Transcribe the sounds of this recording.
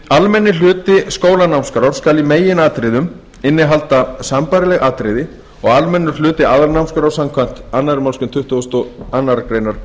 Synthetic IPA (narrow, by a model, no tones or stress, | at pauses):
almɛnːɪlʏːt̪ɪskoːwlanawmskɾawɾ̥skaːlimeːjɪnaːt̪ɾɪðʏm | ɪnːɪɦalt̪asampaɾɪlɛɣʔaːt̪ɾɪðɪ | ɔɣalmɛnːʏ̥l̥ʏːt̪ɪaðaɾnawmskaɾawsamkʰan̥t̪anːaðɾɪmalskʏmt̪ʰʏht̪ʏst̪ɔanːaɾakɾejnaɾ̥